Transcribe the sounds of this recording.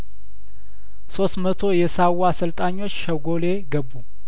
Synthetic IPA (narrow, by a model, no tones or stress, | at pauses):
so̞st̪mət̪ʰo̞jɛsawːasɨlt̪ʼaɲːo̞t͡ʃːʃəɡo̞le̞ɡəbːu